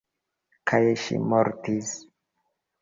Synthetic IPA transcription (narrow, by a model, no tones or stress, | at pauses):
kʰajʃḭmoɾtis